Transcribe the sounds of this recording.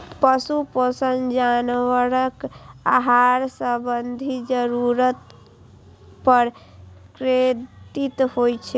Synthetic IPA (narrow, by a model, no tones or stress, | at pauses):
pəsupəsənd͡ʒanwəɾəkaɦaɾsəbənd̪ʱid͡ʒəɾuɾət̪ | pəɾ | kɾet̪it̪hojt͡ʃʰɛ